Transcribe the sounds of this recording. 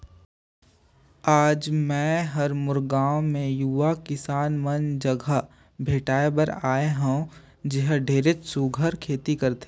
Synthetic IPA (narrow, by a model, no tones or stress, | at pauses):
aːd͡ʒmɛ̃ːɦɐɾmʊɾɡãːõmẽjuʋakɪsaːnmənd͡ʒəɡʱə | bʱeːʈaːebəɾaːeɦũ | d͡ʒɪɦɖʱeːɾet͡ʃsuɡʱəɾkʰeːt̪ikɐɾt̪ʰe